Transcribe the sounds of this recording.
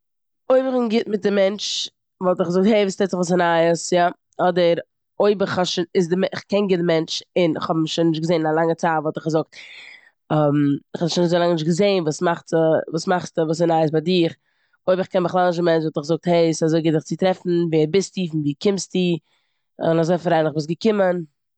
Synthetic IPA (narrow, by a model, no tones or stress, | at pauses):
oɪbəχɪnɡɪtmɪt̚dɪmɛnt͡ʃ | vɔlˠtɪχɡzʊk̚theɪviːstɛtɪχvuːs̬ənaəsja | ɔdəɾ | oɪbɪχhaʃɪnɪsdɪmɛɪχkɛnɡɪtdɪmɛnt͡ʃɪnɪχhɔbnɪʃnːɪʃtɡəzeːnɪnalˠaŋət͡saːtvɔlˠtɪχɡəzʊk̚t | ɛmɪχɔnɪʃnnɪzoɪlaŋnɪʃtɡəzeɪnvuːsmaχtəvuːsmaχstəvuːsɛnaɪəs̬badɪχ | oɪbɪχkɛnmɪχlˠanɪʃ̬dəmɛnt͡ʃvɔlˠtɪχɡzʊk̚theɪɪsazoɪɡɪt̚dɪχt͡sɪtɾɛfn̩viːəbɪstiːfɪndiːkɪmstiː | ɪnazoɪfɾaɪnlɪχbɪːs̬ɡəkɪmən